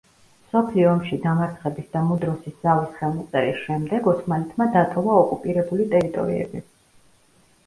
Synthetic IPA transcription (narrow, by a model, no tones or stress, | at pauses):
msɔpʰliɔːmʃid̪amat̪sʰχɛbisd̪amud̪ɾɔsisd̪zavisχɛlˠmɔt̪sʼɛɾisʃɛmd̪ɛɡɔt̪ʰmalɛt̪ʰmad̪at̪ʰɔvˠaɔkʼupʼiɾɛbulit̪ʼɛɾit̪ʼɔ̰ɾḭɛ̰bi